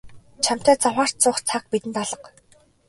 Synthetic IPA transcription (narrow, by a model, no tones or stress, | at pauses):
t͡ɕʰam̥t̪æːt͡saχaːr̥t̪̚t͡sʊːχt͡sʰak̚pit̪ɘ̆nt̪ɔɮɞ̆q